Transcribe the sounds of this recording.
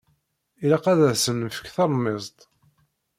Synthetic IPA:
ilaqæðæðsənːəfə̥kθɑɾˤmːɪzˤt̪ˤ

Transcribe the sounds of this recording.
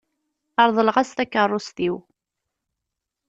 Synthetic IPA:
ɑɾˤðˤəlʁæst̪ækːərˤːʊst̪iw

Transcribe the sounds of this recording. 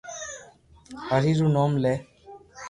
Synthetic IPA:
həɾiɾunɔmle

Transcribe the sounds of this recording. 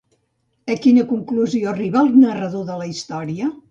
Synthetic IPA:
əkinəkuŋkluzioəriβalˠnərəðoðələist̪ɔɾiə

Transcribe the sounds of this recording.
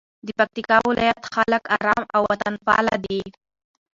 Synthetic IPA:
d̪əpak̚t̪ikɑwɪlɑ̰jat̪xalakaɾɑmawwat̪anfɑ̰la̰d̪i

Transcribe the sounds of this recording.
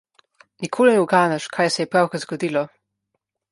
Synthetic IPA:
nikʰoːlinɛuɡaːnaʃkʰaːjsɛjɛpɾawkazɡɔd̪iːlɔ

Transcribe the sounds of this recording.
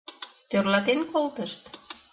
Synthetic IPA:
t̪ørlɑt̪enkolt̪ə̆ʃt̪

